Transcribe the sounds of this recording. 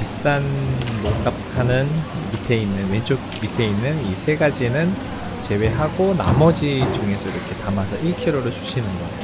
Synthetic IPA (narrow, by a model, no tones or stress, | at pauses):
pis͈anmok̚k͈ap̚hanɯn | mitʰe̞inːɯnwend͡ʑʰok̚ | mitʰe̞inːɯnisʰe̞ɡad͡ʑienɯn | t͡ɕe̞we̞ɦaɡona̰mʌd͡ʑid͡ʑuŋe̞sʰʌiɾʌkʰe̞tamasʰʌʔiɭkʰeɾoɾɯɭt͡ɕu̥ɕʰinɯnɡʌ